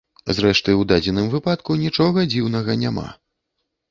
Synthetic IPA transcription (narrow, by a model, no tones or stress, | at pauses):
zɾɛʂt̪ɨwd̪ad͡zʲɛnɨmvɨpat̪kunʲit͡ʂɔɣɐd͡zʲiwnɐɣɐnʲama̰